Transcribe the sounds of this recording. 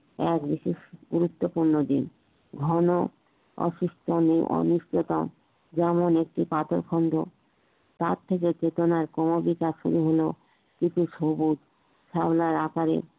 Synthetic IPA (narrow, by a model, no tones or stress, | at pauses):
ɛkbiʃeʃɡuɾut̪ːopuɾnod̪in | ɡʱɔno | ɔ̰ʃuʃʈʰoniʔɔ̰niʃt͡ɕot̪om | d͡ʑɛmonek̚ʈipat̪oɾkʰɔnd̪ʱo | t̪aɾt̪ʰeket͡ɕet̪onaɾkɔmobik̪aʃṵɾuɦolo | kit͡ʃʰuʃobut̪ | ʃablaɾakaɾḛ